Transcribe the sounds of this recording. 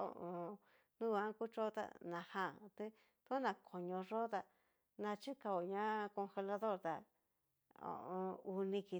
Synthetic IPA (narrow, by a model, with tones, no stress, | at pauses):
o̰˧˨ʔõ˧ | nũ˦˧ã˧˦ku˦t͡ʃo˦t̪a̰˦˧nã˨hã˦˨˧t̪e˦ | t̪ːnã˧˨kʰo˨ɲõ˧ʐo˦t̪a˧ | nã˧t͡ʃi˦ka˧o˨ɲã˦ko˧xe˧la˧ðo˦˨ɾt̪a˧ | õ̰˨ʔõ˧u˧nĩ˧ki˧